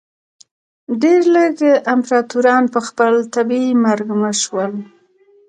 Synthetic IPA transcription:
ɖeɾləɡəʔɪmpɾɑt̪uɾɑnpəxpəlt̪abimaɾɡməʃwəl

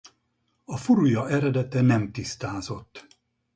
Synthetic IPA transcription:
ɒfuɾujɒʔɛɾɛd̪ɛt̪ɛnɛmt̪ist̪aːzo̞t̪ː

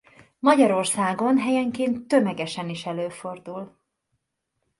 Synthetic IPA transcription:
mɒɟɒɾo̞rsaːɡo̞nɦɛjɛŋkeːnt̪ːømɛɡɛʃɛniʃɛløːfo̞rd̪ul

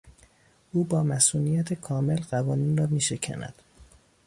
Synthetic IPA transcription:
ʔuːbɒːmæsuːnijæt̪ʰekʰɒːme̞lɢævɒːniːnrɒːmiːʃe̞cʰæ̰næ̰d̪̥

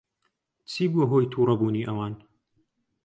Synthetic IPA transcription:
t͡sʰiːbuɐɦojt̪ʰuːɾɐbuːniːʔɐwaːn

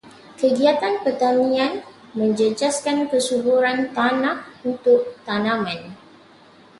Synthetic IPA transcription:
kəɡiat̪anpərt̪anĩãn | mə̃ɲd͡ʒəd͡ʒaskankəsubuɾant̪anãk̚unt̪ʊk̚t̪anãmãn

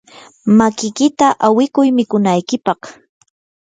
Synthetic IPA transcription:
makɪkɪt̪aʔawɪkʊjmɪkʊnajkɪpɑχ

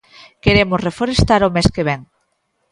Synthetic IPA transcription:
keɾemʊsrefoɾest̪aɾomeskeβ̞eŋ

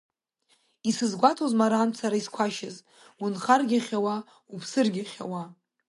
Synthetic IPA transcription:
isɨzɡʷatʰozmaɾaːmt͡sʰaɾaiskʷʰaʃɪz | unχarɡʲaχʲawa | upʰsɨrɡʲaχʲa̰wa

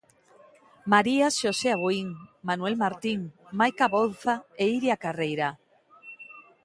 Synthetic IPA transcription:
maɾiaʃoseaβoiŋmanuelmaɾt̪iŋmajkaβonθaeiɾiakarejɾa

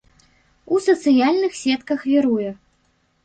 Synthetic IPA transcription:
usɐt̪sɨjalʲnɨxsʲɛt̪kɐxvʲiɾujɛ

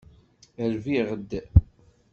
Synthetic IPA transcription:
əɾviʁəd̪ː

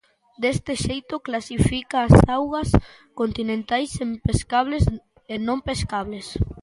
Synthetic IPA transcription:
d̪est̪ɪʃejt̪ʊklasifikaːsawɣɐs | kont̪inẽnt̪ajsempeskaβles | enõmpeskaβles

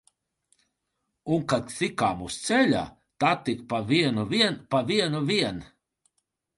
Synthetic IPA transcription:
unkad̪sikaːmust̪sɛlʲa̰ | t̪at̪ːikpaviɛnuviɛnpaviɛnuviɛn

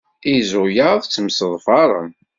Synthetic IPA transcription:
izʊjaðˤt͡sːəmsəðˤfɑɾˤə̰n

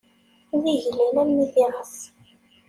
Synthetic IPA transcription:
ðiʝlinæmːiθiʁəs

